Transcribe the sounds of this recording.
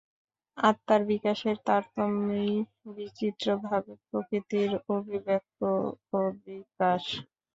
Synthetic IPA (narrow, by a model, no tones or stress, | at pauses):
at̪ːaɾbikaʃeɾt̪aɾt̪omːej | bit͡ɕit̪ːɾobʱabepɾokɾit̪iɾobʱibek̚t̪oobikaʃ